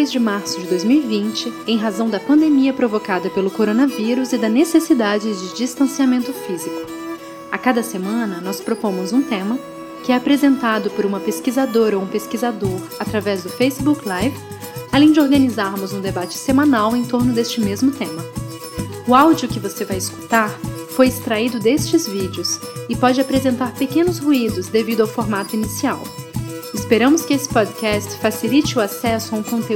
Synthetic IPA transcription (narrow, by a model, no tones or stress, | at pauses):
ejzd͡ʒɪmaɾsʊd͡ʒɪd̪ojzmiwivĩnt͡ʃɪẽj̃ɦazɐ̃w̃d̪ɐpɐ̃nd̪emiɐpɾovokad̪ɐpelʊkoɾonɐviɾʊzɪd̪ɐnesesid̪ad͡ʒɪd͡ʒɪd͡ʒist̪ɐ̃siamẽnt̪ʊfizikʊ̥ | akad̪ɐsemɐ̃nɐnɔspɾopõmʊzũt̪ẽmɐ | kɪɛapɾezẽnt̪ad̪ʊpʊɾũmɐpeskizad̪oɾoũpeskizad̪oɾat̪ɾavɛzd̪ʊfejsɪbuklajvɪ | alẽj̃d͡ʒɪoɾɡɐnizaɾmʊzũd̪ebat͡ʃɪ̥semãnawẽj̃t̪oɾnʊd̪est͡ʃɪmezmʊt̪ẽmɐ | ʊawd͡ʒiʊkɪvosevajɪsku̥t̪aɾfojɪst̪ɾaid̪ʊd̪est͡ʃɪzvid͡ʒɪʊsɪpɔd͡ʒɪapɾezẽnt̪aɾpekẽnʊshuid̪ʊzd̪evid̪ʊawfoɾmat̪ʊinisia̰wɪspeɾɐ̃mʊskɪesɪ̥pɔd̪kɛst͡ʃfasilit͡ʃɪʊasɛsʊaũkõnt̪e